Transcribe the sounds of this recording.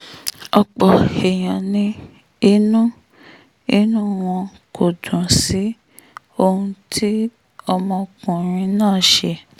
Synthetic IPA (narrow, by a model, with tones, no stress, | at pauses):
ɔ˧k͡pɔ˨e˨j̃ã˨nĩ˧ | i˧˦nũ˦ | i˦nũ˦w̃ɔ̃˧ | kʰo˨dũ˨si˨˦ | o˧hũ˧tʰi˦ | ɔ˧mɔ̃˧kũ˨ɾ̃ĩ˧nãː˦˨ʃe˧